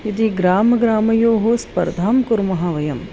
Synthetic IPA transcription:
jɐd̪iɡɾaːmɐɡɾaːmɐjoːɦospɐ̰ɾd̪ʱaːmkʊɾmɐɦaːʋɐjɐm

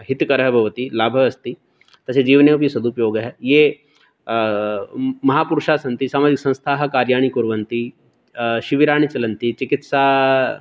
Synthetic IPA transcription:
ɦit̪kɐɾəɦɐbʱɐʋɐt̪ilaːbʱɐɐst̪i | t̪ɐsed͡ʒiːʋneup̬jisɐd̪upjoːɡɦɛje | mɐɦaːpuɾʃaːsɐnt̪isaːmaːd͡ʒiksɐ̃ñst̪ʰaːɦɐ̆kaːɾjaːɳ̃ikuɾʋɐnt̪i | ʃiʋiɾaːɳ̃it͡ʃɐlɐnt̪it͡ʃikit̪saː

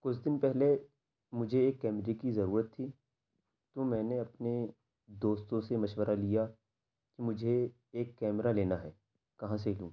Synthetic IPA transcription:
kʊt͡ʃʰd̪ɪnpɛɦle | mʊd͡ʒʱeːkːɛːmɾekizɐɾuːɾət̪ʰːiː | t̪omɛ̃ːneɐpne | d̪oːst̪õsemɐʃwəɾʔalija | kimʊd͡ʒʱe | eːkːɛːmɾaleːnaɦɛː | kɐɦãs̬elũː

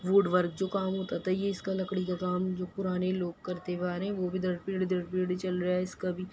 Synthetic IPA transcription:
ʋuːɖʋəɾkd͡ʒoːkaːmɦoːt̪at̪ajeɪskalɐkɽikakaːmd͡ʒoːpʊɾaːneloːɡ̚kɐɾt̪ebaːɾɦɛ̃ʋobʱid̪ʱɐɖpiːɽd̪ʱɐɽpiːɽit͡ʃɐlɾɐaɪskabʱi

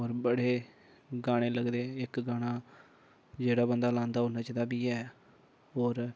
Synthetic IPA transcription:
oːɾbəɽeː | ɡaːɽ̃eːləɡd̪eːɪkɡaːɽ̃aː | d͡ʒeːɽaːbənd̪aːlãːnd̪aːɦoːnaːt͡ʃəd̪aːbiːɛː | ɦoːɾ

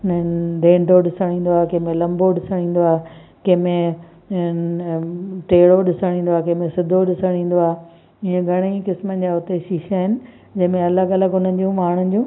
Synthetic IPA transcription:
nɖẽːɳɖʱoɗɪsəɽ̃ĩːn̆d̪oaːɦekɐ̃ɦɪ̃mẽlɐ̃mboɗɪsəɽ̃ĩːn̆d̪oaːɦe | kɐ̃ɦmẽ | ʈeːɽoɗɪsəɽ̃ĩːnd̪oaːɦekɐ̃ɦɪ̃mẽsɪd̪ʱoɗɪsəɽ̃ĩːn̆d̪oaːɦe | iːə̃ɡʱɐɽ̃ikɪsmənd͡ʑaʊt̪eʃiːʃaɦɪnɪ̆ | d͡ʑɐ̃ɦɪ̃mẽɐlaɡɐləɡʊn̤ənɪ̆d͡ʑũmaːɽ̤̃ən̆d͡ʑũː

